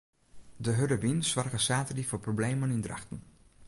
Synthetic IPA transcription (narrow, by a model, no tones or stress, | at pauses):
dəɦøɾəʋinsʋarɣəsaːtədifoprobleːmənindra̰xtən